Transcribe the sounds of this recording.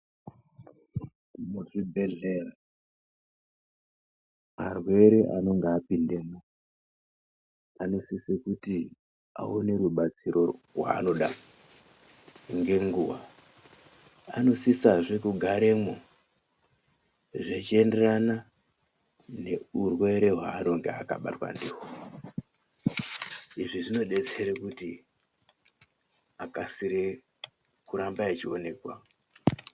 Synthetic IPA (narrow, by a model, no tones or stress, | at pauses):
muʐibʱe̞ɮera | marwe̞ɾeʔa̰no̞ŋɡeːpinde̞ːmo | ano̞sisekuti | a̰one̞ɾuɓat͡siɾʔo̞rwa̰ːno̞ɗa | ŋɡe̞ŋɡuwa | a̰no̞sisaʐekuɡʱaɾe̞mo | ʐet͡ʃie̞nde̞rana | ne̞urwe̞ɾe̞ɦwa̰ːno̞ŋɡeaka̰ɓa̰twa̰ndeo | iʐiʐino̞ɗe̞t͡se̞ɾekuti | akasiɾe | kuɾambaet͡ʃio̞ne̞ːkwa